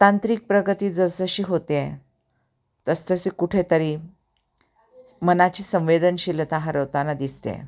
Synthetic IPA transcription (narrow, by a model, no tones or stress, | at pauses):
t̪ãnt̪ɾik̚pɾəɡət̪iːd͡zəsəɕiːɦot̪ee | t̪əst̪əsekuʈʰet̪əɾi | mənat͡ɕiːsə̃ʋ̃ʋed̪ənɕilət̪aɦaɾəʋt̪anad̪ist̪eḛ